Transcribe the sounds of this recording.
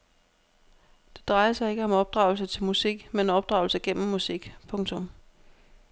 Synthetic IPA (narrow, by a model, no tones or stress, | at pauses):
d̥e̝d̥ʁɑ̈ɪɐsɑ̈ɪe̝ɡ̥əɒ̽mɒ̽b̥̚d̥ʁɑ̈ʊls̬ət͡sʰe̝lmusiɡ̥menɒ̽b̥d̥ʁɑ̈ʊl̩səɡ̥en̰m̩ːusiɡ̥pʰɔ̽ŋt͡sʰɔ̽m